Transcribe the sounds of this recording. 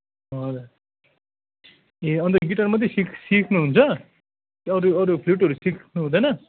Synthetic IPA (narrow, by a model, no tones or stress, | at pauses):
ʌl | eʌnt̪ʌɡiʈʌrmʌd̪ʱesikʰsikʰnuɦunt͡sʰʌ | kiʌɾuʌɾupʰluʈɦʌɾusikʰnuɦũd̪ʌjnʌ